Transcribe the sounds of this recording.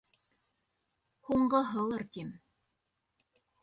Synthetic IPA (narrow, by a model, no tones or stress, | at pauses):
huɴɢɤɦɤ̆lˠɤɾt̪im